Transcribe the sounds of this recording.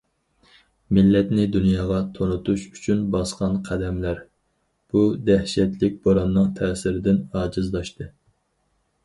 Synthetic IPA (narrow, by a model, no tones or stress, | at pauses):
mɪlːɛt̪nɪd̪unjɑːʁɑt̪ʰonut̪uʃy̥t͡ʃʰynbɑsqɑnqʰæd̪ɛmlæɾ | b̥ud̪ɛhʃɛt̪lɪk̚ʲboɾɑnːɨŋt̪ʰɛːsɪɾɪd̪ɪnɑːd͡ʒɪzd̪ˠɑʃt̪ɨ